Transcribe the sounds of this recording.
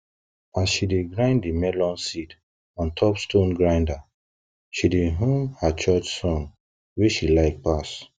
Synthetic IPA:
asʃideɡɹãɪ̃nddimɛlɔ̃nsid | ɔ̃ntʰɔpstõnɡɹãɪ̃nda | ʃideɦũmhat͡ʃɔt͡ʃsɔ̃n | weʃilaɪk̚pas

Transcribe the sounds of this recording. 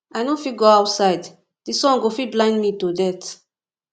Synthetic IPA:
ajnõfiɡoawtsaɪd | disɔ̃nɡofiblãɪ̃ndmitodɛt

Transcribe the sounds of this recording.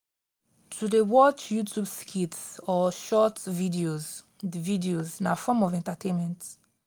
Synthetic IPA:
tʰudewɔt͡ʃjutʰubskʰitsɔʃɔtvidioz | vidioznafɔmɔvɛ̃ntatʰẽnmɛ̃nt

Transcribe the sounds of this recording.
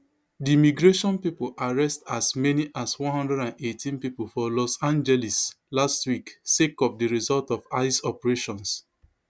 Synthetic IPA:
dimiɡɹeʃɔ̃npipolʔaɹɛstasmɛniʔaswɔ̃nhɔ̃ndɹɛɾãnetʰĩnpipolfɔlɔsãnd͡ʒɛlis | lastwiksekɔp̚diɹizɔltɔfaɪsɔpɛɹeʃɔ̃ns

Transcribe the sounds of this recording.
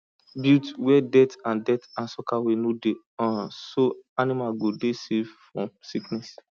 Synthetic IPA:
bitwɛdɛtãndɛtãnsɔkawenode | ɔ̃soanimaɡodesevfɹɔ̃msiknɛs

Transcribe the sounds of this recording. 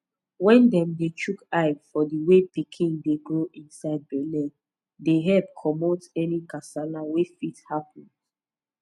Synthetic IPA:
wɛ̃ndɛ̃mdet͡ʃʰukaɪfɔdiwepikʰĩŋdeɡɹoʔĩnsaɪd̚bɛlɛ̃n | deɦɛlp̚kʰɔmotɛnikasanawefithapə̃nd

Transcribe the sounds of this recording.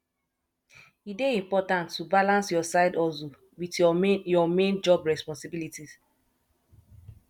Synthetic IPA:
ideĩmpɔtãntːubalãnsjɔsaɪdɔso | witjɔmẽnd͡ʒɔbɹɛspɔ̃nsibilitis

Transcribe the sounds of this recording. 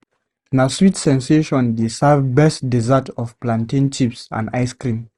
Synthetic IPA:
naswitsɛ̃nseʃɔ̃ndesavbɛstdizatɔfplãntĩnt͡ʃipsã̰ndaɪskɹĩm

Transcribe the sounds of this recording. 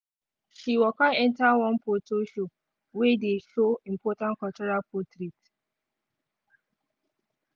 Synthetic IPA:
ʃiwɔkaɛ̃ntawɔ̃npotoʃo | wedeʃoĩm̩pɔtãnkɔt͡ʃɔɾalpɔtɾit

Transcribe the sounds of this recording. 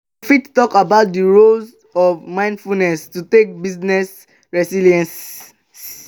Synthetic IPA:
fittɔkabaʊt̚diɹoz | ɔvmãɪ̃ndfunɛstutek̚biznɛs | ɹɛsiliɛ̃ns | s

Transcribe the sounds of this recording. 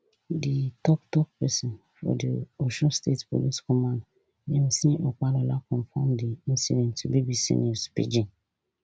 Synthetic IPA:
ditʰɔktʰɔk̚pɛsɪ̃n | fɔ̰dioʃɔ̃nstʰetpʰo̰liskʰɔmãn | nɛ̃m̩sĩʔɔk͡palɔlakʰɔ̃ɱfɔ̃mdiĩnsidɛ̃ntʰubibisḭ̃nospḭd͡ʒĩn

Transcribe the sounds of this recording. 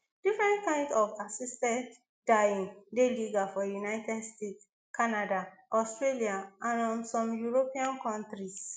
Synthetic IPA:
d̥ifɹɛ̃ntkãɪ̃ndsɔvasistɛ̃nt | dajĩndeliɡafɔjunaɪtɛdstet | kanadaʔɔstɹeliaʔãnɔ̃nsɔ̃mjuɹopiãnkɔ̃ntɹis

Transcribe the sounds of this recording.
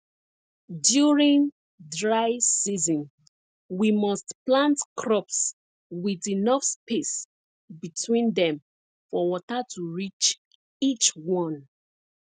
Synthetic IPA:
djuɹĩn | dɹaɪsizɔ̃n | wimɔstplãntkɹɔps | widinɔfspes | bitʰwĩndɛ̃m | fɔwɔtatʰuɹit͡ʃ | it͡ʃwɔ̃n

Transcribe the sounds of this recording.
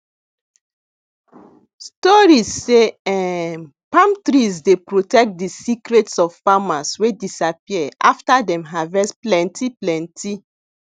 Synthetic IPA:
stɔɹisːeɛ | pãmtɹisdepɹotɛk̚t̚disikɾetsɔvfamaswedisapiɛa̰ftadɛ̃mɦavɛsplɛ̃ntiplɛ̃nti

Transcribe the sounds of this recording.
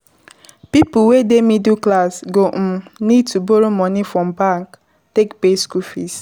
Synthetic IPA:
pipʊwedemiduklasɡom̩nid̚tuboɾomɔnifɹɔ̃mbãŋk | tekpeskufḭs

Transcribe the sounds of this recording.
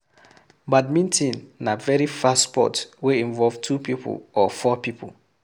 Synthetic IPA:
bad̚mĩntĩnːavɛɹifastspɔ̰tweĩɱvɔlvtʰupipʰṵlɔfɔpipʰṵl

